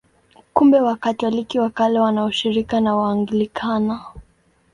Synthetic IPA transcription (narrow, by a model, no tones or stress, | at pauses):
kumbɛwakatɔlikiwakalɛwanauʃiɾikanawaːŋɡilikʰana